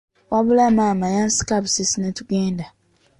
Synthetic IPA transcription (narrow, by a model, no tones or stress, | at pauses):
wʔaβulamamajansi̥kaβusisinetuɡeːnda